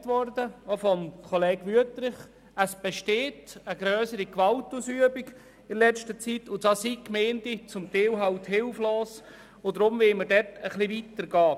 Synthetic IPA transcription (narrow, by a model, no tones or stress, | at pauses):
tʋɔrdəofɔmkʰɔleːɡʋyətɾɪχ | əsb̥ɛʃteːtəɡɾœːsəɾikʋɑltuːsyəbiɡ | ɪlɛt͡ʃtət͡sitʊntɑsikmeːndit͡sʊmt̪ɛːwɦɑwthɪlfloːs | odɾʊmvɪlməɾdɛtəχliʋitəɾɡɑː